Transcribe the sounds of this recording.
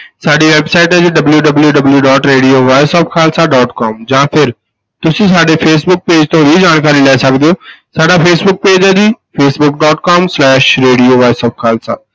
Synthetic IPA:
saːɖiʋeːbsaːɪʈd͡ʑiːɖɐbljuɖɐbljuɖɐbljuɖɔːʈɾeːɖijoʋaːɪsɔːfkʰaːlsaɖɔːʈkɔːmd͡ʑãːpʰɪɾ | t̪ʊsĩsaːɖefʰeːs̬bʊk̚peːd͡ʑt̪ʰõbʱid͡ʑaːɽ̃kaːɾilaːɪsɐɡʱə̃d̪ioːsaːɖafʰeːsbʊk̚peːd͡ʑəd͡ʑiːfeːsbʊk̚ɖɔːʈkɔːmslɛːʃɾeːɖijoʋaːɪsɔːpkʰaːlsa̰ː

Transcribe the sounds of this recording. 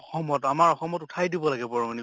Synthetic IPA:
ɔxɔmɔtamaɹɔxɔmɔtutʰajdibɔlaɡɛbɔɹɔŋni

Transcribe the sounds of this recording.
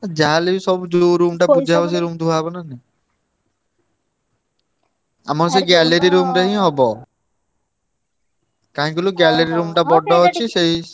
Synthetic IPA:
d͡ʒaɦalesɔbud͡ʒoɾumʈapud͡ʒʱabɔs̬eɾumd̪ʱuaɦɛbɔnane | a̰maɾs̬eɡɛleɾiɾumʈaɦĩɦɔbɔ | kaɦĩɡuluɡɛleɾiɾumʈabɔɖɔɦɔt͡ʃʰisej

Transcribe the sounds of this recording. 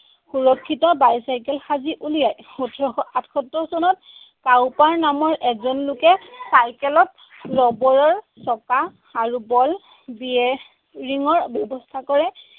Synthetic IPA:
xuɹɔkʰːitɔbajsajkɛlxaziʔulijajutʰɔatkʰɔtːɔsɔnɔt̚ | kawpaɹnamɔɹʔɛzɔnlʊkɛsaɹkɛlɔt̚ | lɔbɔɹɔɹ | sɔka | aɹubɔl | biɛ | ɹiŋɔɹbjɔbɔstʰakɔɹɛ

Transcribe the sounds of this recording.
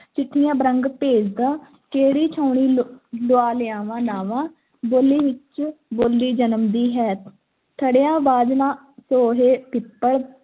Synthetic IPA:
t͡ʃɪʈʰːɪjãːbəɾəŋɡpeːd͡ʒd̪aː | keːɾiːt͡ʃʰaːʊɳiːloaːlɪãːʋãːnaːʋãː | boːliːʋɪt͡ʃboːlːiːd͡ʒənəmd̪iːɦɛːt̪ʰ | t̪ʰəɽjãːbaːd͡ʒ̪nãː | soːɦeːpɪpːəɽ

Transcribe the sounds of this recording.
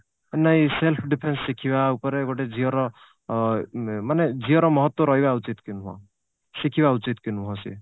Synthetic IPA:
nʌjselpʰɖipʰensːikʰiβaupʌɾeɡoʈed͡zʱiʌɾʌ | maned͡zʱiʌɾʌmʌɦʌt̪wʌɾʌɦjbaut͡ʃit̪kinuɦɔ̰̃ | sikʰiβaut͡sit̪kinuɦɔ̃sḭ

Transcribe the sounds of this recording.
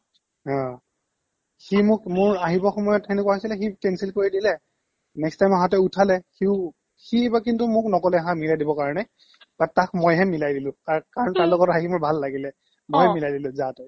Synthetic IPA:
ɦã | ximʊkmʊɹaɦibɔxɔmɔjɔtxɛnek̬waɦojsilɛxitɛnsilkoɹidilɛ | nɛkstajmaɦatɛutʰalɛxiʊ | xiebak̬intumʊknɔkɔlɛaɦãmilajdibɔkaɹɔnɛ | b̥atakʰmojɦɛmilajdilʊ̃aɹkaɹɔntaɹlɔɡɔtɦaximʊɹbʱalːaɡilɛ | mɔɛmilajdilʊ̃zatɔj

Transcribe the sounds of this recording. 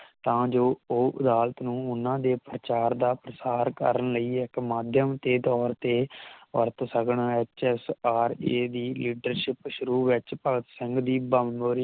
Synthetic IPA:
t̪ãːd͡ʒoːoːʔɪd̪aːlət̪nũːʊnːãːd̪eːpɾət͡ʃaːɾd̪aːpɾəsaːɾkə̰ɾənləiːɪkmaːd̪ʱjəmt̪eːd̪ɔːɾt̪eːʋə̰ɾt̪səkɳaːɛt͡ʃɛːsaːɾeːd̪iːliːɖəɾʃɪpʃʊɾuːʋɪt͡ʃpəɡət̪sɪŋɡd̪iːbəmoːɾi

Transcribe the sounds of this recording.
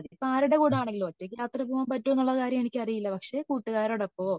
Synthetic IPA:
ɐðipːoaːɾuɽekuːɽaːɳeŋɡilʋɐtːekiaːt̪rɐbʱuːʋɐmpɐtːuonːuɭːɐkaːɾjɐmenikʲːɐrijilːɐpɐkʂe̞kuːʈːuɣaːɾoɽepːo̞ː

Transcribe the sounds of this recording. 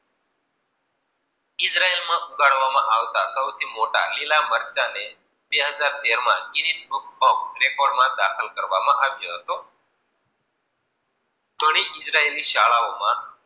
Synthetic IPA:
isɾaelmãʔuɡaɽʋamãʔaʋt̪asəwt̪ʰiːmoʈa̰lilaməɾt͡ʃane | beɦəd͡zaɾt̪eɾmãɡinisbuk̚bɔ̃kɾekoɽmãd̪akʰəlkəɾʋamãʔaʋjoɦət̪o | t̪əɽ̃iʔisɾaeliʃaɭaomã

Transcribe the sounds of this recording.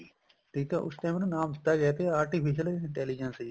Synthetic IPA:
ʈ̪iːt̪aʔʊ̰st̪ɛ̃ːmnnaːmd̪ɪt̪ːaɡɛːt̪eaːɾʈipʰiʃəleɪ̃ɳʈɛːlid͡ʒənsi

